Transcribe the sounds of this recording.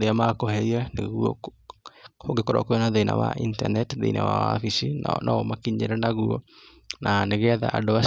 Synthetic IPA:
ɾeamakohɛianeɣuɔ̰ | oɡekoɾɔ̰koɔnaðena̰wa̰ʔinta̰nɛtðḛina̰wa̰fisinɔomakiɲḛɾɛnaɣuɔ | naneɣɛða̰ʔadowa

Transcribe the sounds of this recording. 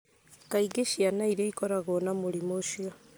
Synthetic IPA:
kaiɡeʃianaiɾeikɔɾaɣonamoɾimoʃio

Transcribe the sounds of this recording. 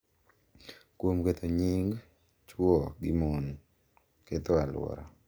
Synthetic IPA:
kwomket̪ʰoɲiŋɡ | t͡ʃwɔɡɪmon | ket̪oalwɔ̰ɾa̰

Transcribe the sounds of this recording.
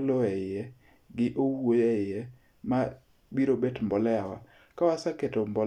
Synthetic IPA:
lɔɛɪjɛ | ɡɪʔowojɛɪjɛ | ma | biɾobetmbɔlɛawa̰ | kawasaketombɔl

